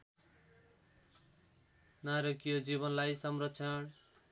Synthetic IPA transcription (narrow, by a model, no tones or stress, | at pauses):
naɾʌkijʌd͡ziβʌnlajsʌmrʌtːsʰʌɳ